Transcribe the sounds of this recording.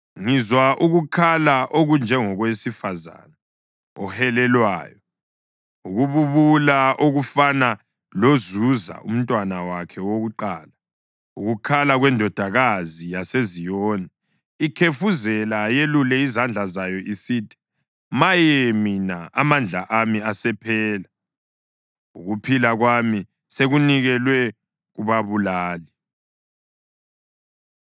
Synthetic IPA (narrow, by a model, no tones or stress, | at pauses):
ŋizwaʔuɣukʰalaʔoɣund͡ʒʱɛŋɔɣwesifaza̰na | ɔhɛlɛlwa̰ːjɔ | uɣuβuβulaʔoɣufana | lozuza̰ʔṵm̩tʼwanawakʰɛwoɣuǃaːla | uɣukʰalaɣwɛndʱɔd̥ʱaɣazijasezijɔːna | ikʰefuzɛlajelulɛizand͡ɮʱazajɔʔisiːtʰi̥ | majeminaamand͡ɮʱa̰ʔamiasɛpʰɛːla | uɣupʰilaɣwami | seɣuniɣɛlwɛ | ɣuβaβulaːli